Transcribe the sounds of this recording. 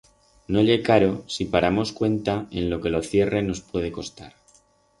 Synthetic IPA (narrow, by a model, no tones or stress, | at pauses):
no̞ʎe̞kaɾo̞sipaɾamo̞skwe̞nt̪ae̞nlo̞ke̞lo̞θje̞re̞no̞spwe̞ð̞e̞ko̞st̪aɾ